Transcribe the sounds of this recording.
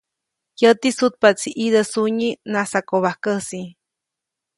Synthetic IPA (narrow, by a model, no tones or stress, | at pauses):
jət̪isut̪̚pat͡sʰiʔid̪əsuɲinasakoβahkəsi